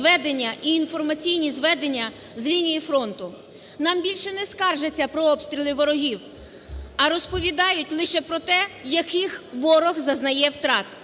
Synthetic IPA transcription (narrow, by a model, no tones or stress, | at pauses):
ʋɛd̪enʲːɐʔiːnfɔrmɐt͡sʲijnʲizʋɛd̪e̞nʲːɐ | zlʲinʲijifɾɔnt̪ʊ | nɑmbʲilʲʃɛnɛskɑrʒet͡sʲːɐpɾɔɔpst̪ʲɾʲilˠɪʋɔɾɔɦʲiw | ɐɾɔspɔʋʲid̪ɑjʊtʲlˠɪʃɛpɾɔt̪ɛjɐkɪxʋɔɾɔxzɐznɐjɛwt̪ɾɑt̪